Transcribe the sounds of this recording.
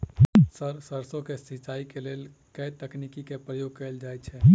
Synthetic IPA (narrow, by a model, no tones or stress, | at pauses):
səɾsəɾsõkesit͡ʃaːikelel | kət̪əknikikepɾəjoɡ̚kəeld͡ʒajt̪t͡ʃʰɛ